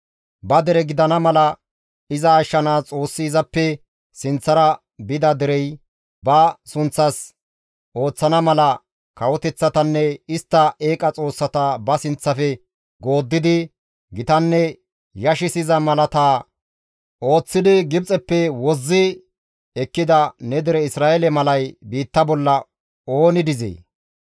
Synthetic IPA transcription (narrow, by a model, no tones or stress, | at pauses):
bɐd̪ɛɾɛɡɪd̪ɐnɐmɐlɐ | ɪzɐːʃːɐnaːt͡sʼo̞ːsːɪːzɐpːɛ | sɪnt͡sːɐɾɐ | bɪd̪ɐd̪ɛɾɛj | bɐsʊnt͡sːɐs | ʔo̞ːt͡sːɐnɐmɐlɐ | kɐwɔt̪ɛt͡sːɐt̪ɐnːɛɪst̪ːɐʔe̞ːkʼɐt͡sʼo̞ːsːɐt̪ɐbɐsɪnt͡sːɐfɛ | ɡo̞ːd̪ːɪd̪ɪ | ɡɪt̪ɐnːɛ | jɐʃɪsɪzɐmɐlɐt̪aː | ʔo̞ːt͡sːɪd̪ɪɡɪb̚t͡sʼɛpːɛwɔzːɪ | ɛkːɪd̪ɐnɛd̪ɪɾɛɪsɾaːʔɛlɛmɐlɐjbiːt̪ːɐbɔlːɐ | o̞ːnɪd̪ɪzḛː